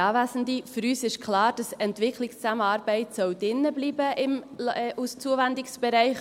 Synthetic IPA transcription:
ɑːvæsn̩difʏɾyːsɪʃkʰlɑːɾd̥ɑsɛntvɪkʰlɪkst͡saməɑːɾbɛɪtsɔʊd̥ɪnːəbliːbəʔɪmʔust͡suəvɛndɪksb̥ɛɾɛɪχ

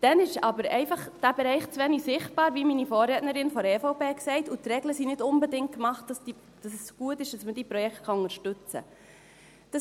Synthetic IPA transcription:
d̥ɛnɪʃɑbəɾɛɪfɑχd̥æbeɾɛɪχt͡sʋɛnisɪχt̚b̥ɑːɾʋiminifɔːrɾɛːtnəɾɪnfɔɾɛːfoʊpeːksɛɪtutrɛɡləsinɪdʊnbɛdɪŋt̚kmɑχt̚d̥ɑsd̥i | d̥ɑsɛsɡ̥uətɪʃd̥ɑsməd̥iːpɾɔjɛkt̚kχɑʊŋəɾʃtʏt͡sə̰ | d̥ɑ

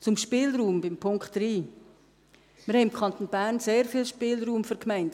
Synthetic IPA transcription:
t͡sʊmʃpɪːlɾuːmbɪmpʰʊŋkχtɾiː | mɪɾhɛɪmkʰɑntoːnb̥æːɾnseːɾfiːlʃpɪːlruːmfyɾkʰmæɪnt

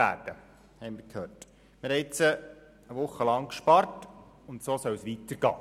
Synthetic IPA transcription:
æ̰ːrd̥ə | hɛɪmɪɾkʰhøːrt | mɪɾhɛɪt͡sə | əʋʊχːəlɑŋkʃpɑrt | ʊntsoːsœwsʋitəɾɡ̥ɑ̰ː

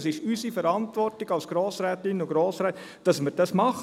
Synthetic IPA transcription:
sɪʃysifəɾɑntvɔrtɪɡ̥ɑlsɡ̥ɾoːsɾæːtɪnʊɡɾoːsɾɛːt | d̥ɑsmɪɾd̥ɑsmɑχ

